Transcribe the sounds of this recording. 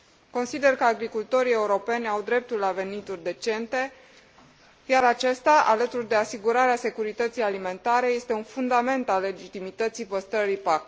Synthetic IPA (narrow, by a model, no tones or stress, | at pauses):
ko̞nsid̪e̞rkəaɡɾikult̪o̞ɾie̞uɾo̞pe̞nʲawd̪ɾe̞p̚t̪ulːave̞nit̪urʲd̪e̞t͡ʃe̞nt̪e̞ | jaɾat͡ʃe̞st̪aʔa̰lət̪urd̪e̞asiɡuɾaɾease̞kuɾit̪ət̪sijalimẽ̞nt̪aɾe̞je̞st̪eunfund̪ame̞nt̪alːe̞d͡ʒit̪imit̪ət̪sijpəst̪ɾəɾipak